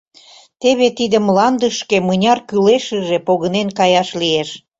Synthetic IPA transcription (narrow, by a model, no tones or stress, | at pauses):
t̪eβet̪id̪ə̆mlɑnd̪əʃkemənʲɑrkyleʃəʒepoɣənenkɑjɑʃlieʃ